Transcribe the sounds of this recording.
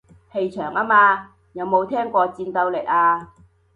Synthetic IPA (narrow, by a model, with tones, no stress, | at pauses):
he˧jt͡ʃʰœː˨˩ŋʔaː˥maː˧ | jɐ˨˧wmo˨˧wt̪ʰɛː˥ŋkʷɔː˧t͡siː˧nt̪ɐ˧wle˨˩k̚aː˧